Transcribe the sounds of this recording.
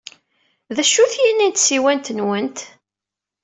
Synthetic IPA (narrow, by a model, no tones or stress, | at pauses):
ðæʃːuθjinint̪siwænt̪nwənt̪